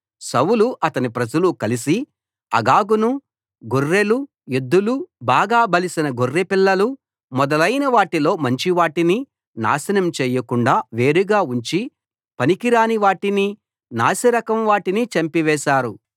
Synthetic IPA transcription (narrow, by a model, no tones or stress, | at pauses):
sɐwuluʔɐt̪ɐnipɾɐd͡ʒɐlukɐlisi | ɐ̰ɡaːɡunu | ɡorːelu | ed̪ːulubaːɡaːbɐlisinɐɡorːepilːɐlu | mɔd̪ɐlɐjnɐʋaːʈilo̞ːmɐɲt͡ʃiʋaːʈini | na̰ːsɐnɐmt͡ʃɛːjɐkuɳɖaːʋe̞ːɾiɡaːuɲt͡ʃi | pɐnikiɾaːniʋaːʈini | naːsɐɾɐkɐmʋaːʈinit͡ʃɐmpiʋɛːʃaːɾu